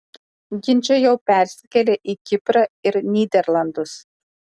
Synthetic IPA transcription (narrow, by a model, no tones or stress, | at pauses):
ɡʲɪnʲt͡ʃʲɛjɛʊpʲæˑɾʲsʲɪ̥kʲɛlʲeʔikʲɪpɾɐɪɾnʲiːd̪ʲɛɾlˠɐnd̪ʊs